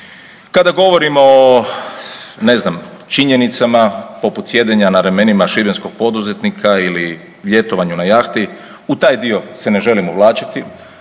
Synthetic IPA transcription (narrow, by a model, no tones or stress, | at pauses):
kad̪aɡo̞ʋo̞ɾimo̞ | ne̞znamt͡ʃiɲe̞nit̪samapo̞put̪sje̞d̪eɲanaɾeme̞nimaʃibensko̞ɡ̥̚po̞d̪uzet̪nikʰaili | ʋje̞t̪oʋaɲunajaxt̪i | ut̪aːjd̪io̞se̞ne̞ʒe̞limoʋlˠaːt͡ʃḁt̪i